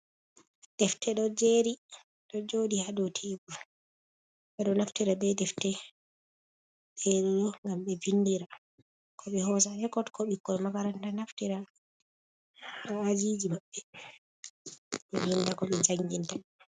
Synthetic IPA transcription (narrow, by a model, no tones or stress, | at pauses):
d̥ɛftɛɗɔd͡ʒeɾi | ɗɔd͡ʒoːdihaɗɔtʰeːɡu | ɓɛɗɔnaftiɾabɛdɛftɛ | ɗɛɗɛɗɔŋɡamɓɛvindiɾa | kʰɔɓɛhɔsahɛkɔtkɔɓikːɔɛmakaɾantanaftiɾa | haːd͡ʒid͡ʒimaɓːɛ | ɓɛmindakɔɓɛd͡ʒaŋɡinta